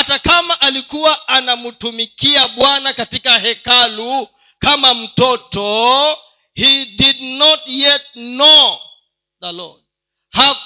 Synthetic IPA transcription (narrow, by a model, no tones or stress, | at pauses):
hatakamaʔalikuwaanamutumikiaɓwanakatikaɦɛkalu | kamam̩tɔtɔ | hididnɔtjɛt̚nɔ | ðəlɔ̰d | ha